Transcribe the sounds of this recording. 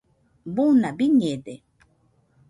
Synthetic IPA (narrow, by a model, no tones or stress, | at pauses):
bunabiɲed̪e